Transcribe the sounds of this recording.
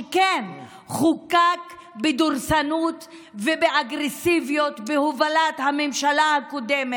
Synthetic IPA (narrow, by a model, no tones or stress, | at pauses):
ken | χukak | bed̪uʁsanut̪ | vebeʔaɡʁesivjot̪behovalat̪hamemʃalahakod̪eme